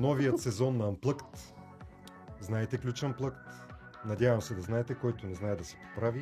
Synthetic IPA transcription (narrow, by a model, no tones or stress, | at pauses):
nɔvijət̪sɛzɔnːɐːmplˠɤkt̪ | znaɛt̪ɛklʲut͡ʃɐnplˠɤkt̪ | nɐd̪ʲavɐmsɛd̪ɐznaɛt̪ɛkɔjt̪onɛznaɛd̪ɐsɛ̥po̥pɾavi